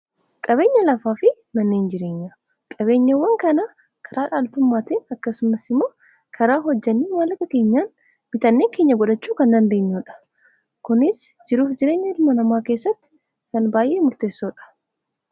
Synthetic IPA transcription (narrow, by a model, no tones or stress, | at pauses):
kʼɐβe̞ːɲːɐlɐfaːfɪ | mɐnːeːnd͡ʒɪɾe̞ːɲːa | kʼɐβe̞ːɲːɐwɐŋkɐnɐ | kʰɐɾaːᶑaːlt̪ʊmːaːt̪iːnɐkːɐsʊmɐsɪmːo̞ː | kʰɐɾaːɦɔd͡ʒːɐnːiːwaːnlɐkɐke̞ːɲːaːn | mɪt̪ɐnːe̞ːŋke̞ːɲːɐɡɔᶑɐt͡ʃːuːkɐnd̪ɐnd̪e̞ːɲːuːᶑɐ̥ | kʊnɪsd͡ʒɪɾuːfd͡ʒɪɾe̞ːɲːɐɾmɐnɐmaːke̞ːsːɐt̪ːɪ̥ | kɐnbaːjʔeːmʊɾt̪e̞ːsːoːᶑɐ̥